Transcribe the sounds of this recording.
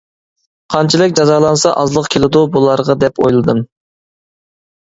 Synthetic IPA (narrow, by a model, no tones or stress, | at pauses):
qʰɑnt͡ʃʰilˠɪkʲd͡ʒɑzɑːlˠɑnsɑʔɑzlˠəqkʲʰelɪd̪ubulˠɑɾʁɑd̪ɛpojlˠɨd̪ɨm